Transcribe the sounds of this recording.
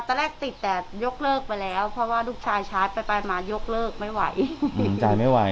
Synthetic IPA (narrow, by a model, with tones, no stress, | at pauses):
a˨˩t̪ːa˧lɛː˥˩k̚t̪i˨˩t̪ːɛː˨˩jo˦˥k̚lɤː˥˩k̚pa˧jlɛː˦˥wpʰɾɔ˦˥waː˥˩luː˥˩k̚t͡ɕʰaː˧jt͡ɕʰaː˦˥jpa˧jpa˧jmaː˧jo˦˥k̚lɤː˥˩k̚ma˥˩jwa˧˩jʔt͡ɕa˧jma˥˩jwa˧